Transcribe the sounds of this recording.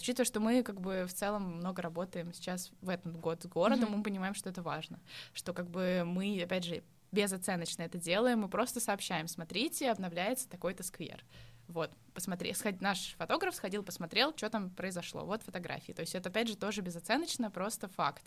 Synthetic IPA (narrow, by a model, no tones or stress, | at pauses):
ʊt͡ɕit̪vəʂt̪o̞mɨkaɡ̚bɨft̪sɛlˠəmːno̞ɡəɾɐbo̞t̪əjɪmsʲɪ̥t͡ɕasvɛt̪əmɡo̞t̪sɡo̞ɾəd̪əmːɨpənʲɪmajɪmʂt̪oɛt̪əvaʐnəʂt̪o̞kaɡ̚bɨmɨɐpʲædʲʐɨ | bʲɪzɐt̪sɛnːət͡ɕnəɛt̪ədʲe̞lˠəjɪmːɨpɾo̞st̪əsɐːpɕːæjɪmsmɐt̪ɾʲitʲɪɐbnɐvlʲæjɪt̪sə̥t̪ɐko̞jt̪əskvʲḛrvo̞t̪ | pəsmɐt̪ɾʲḛsxɐnaʂfɐt̪o̞ɡɾəfsxɐdʲilˠpəsmɐt̪ɾʲelˠt͡ɕot̪ampɾəɪzɐʂlˠo̰vo̞t̪fət̪ɐɡɾa̰fʲɪ̰ːt̪o̞ɪsʲɛt̪əɐpʲædʲʐɨt̪o̞ʐɨbʲɪzɐt̪sɛnət͡ɕnəpɾo̞st̪əfa̰kt̪